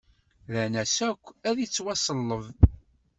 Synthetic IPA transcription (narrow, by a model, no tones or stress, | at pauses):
ðænæsækʷːæðit͡sːwɑsˤəlˤːəv